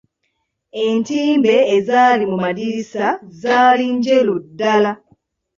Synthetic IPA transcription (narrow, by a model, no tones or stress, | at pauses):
e̞ntiːmbe̞ːzaːlimumadiɾisazaːliɲɟe̞ludːala